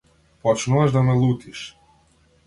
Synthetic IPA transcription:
pɔt͡ʃnuvaʒd̪amɛlˠut̪iʃ

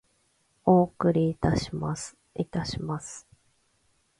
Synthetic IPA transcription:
o̞ːkɯ̟ɾʲiːt̪amas | it̪aɕimasɨ̥

